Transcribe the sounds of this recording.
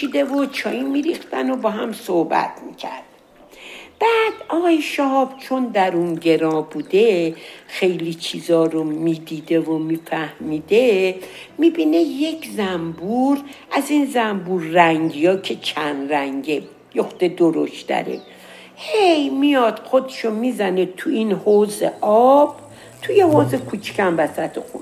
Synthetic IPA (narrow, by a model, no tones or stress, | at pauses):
ʃid̪e̞vot͡ʃʰɒːjimiɾixt̪æno̞bɒːɦæmsohbæ̰t̪ʰmicʰæ̰ɾd̪̥̚ | b̥æːd̪̥ɒɣɒːjeʃɒhɒːb̥t͡ʃʰond̪æɾunɟe̞ɾɒːbuːd̪e̞xe̞jlit͡ʃʰiːzɒːɾomiːd̪iːd̪e̞vomiːfæhmiːd̪e̞miːbiːne̞je̞cʰzæmbuɾʔæzinzæmbuɾːæŋɟijɒːcʲʰe̞t͡ʃʰænɾæŋɟe | joxd̪e̞d̪oɾoʃtd̪æ̰ɾḛ | hejmijɒd̪̥xod̪ʃomizænet̪ʰuinhozḛʔɒb̥ | t̪ʰujehozekʰut͡ʃʰcʰæmvæsæt̪ʰexṵn